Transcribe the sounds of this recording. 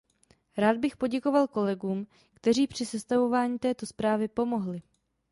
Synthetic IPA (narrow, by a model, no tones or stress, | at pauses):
ɾaːd̪̚bɪxpo̞ɟɛko̞valko̞lɛɡuːm | kt̪ɛɾiːpr̝̥ɪsɛst̪avo̞vaːɲiːt̪ɛːt̪o̞spɾaːvɪpo̞mo̞ɦlɪ